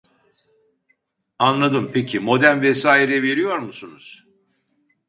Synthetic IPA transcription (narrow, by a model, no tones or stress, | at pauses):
anlˠad̪ɯmpʰecʰimo̞d̪ænvɛsaːiɾɛve̞ɾijo̞ɾmusunuz̥